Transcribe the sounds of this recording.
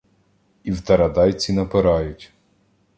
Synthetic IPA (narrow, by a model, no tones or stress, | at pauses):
iwt̪ɐɾɐd̪ɑjt͡sʲinɐpɪɾɑjʊtʲ